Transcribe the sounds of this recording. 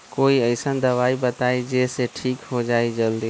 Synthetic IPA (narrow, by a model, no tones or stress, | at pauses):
koːiəɪsənd̪əʋaibət̪aid͡ʒeseʈʰiːkɦod͡ʒaːid͡ʒəld̪e